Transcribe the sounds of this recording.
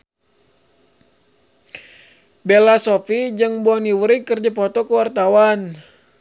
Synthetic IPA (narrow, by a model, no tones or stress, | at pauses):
belasofid͡ʒɨŋbɔniwuɾikərd͡ʒapɔt̪ɔkəwart̪awan